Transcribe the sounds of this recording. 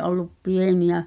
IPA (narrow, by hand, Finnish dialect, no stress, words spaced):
ʔolːup pieniæ